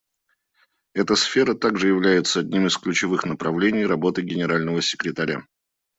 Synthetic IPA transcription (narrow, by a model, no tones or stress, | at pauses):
ɛt̪əsfʲe̞ɾət̪aɡʐɨjɪvlʲæjɪt̪səɐdʲnʲimɨsklʲʉt͡ɕɪvɨxnəpɾɐvlʲenʲɪjɾɐbo̞t̪ɨɡʲɪnʲɪɾalʲnəvəsʲɪ̥kɾʲɪt̪ɐɾʲa̰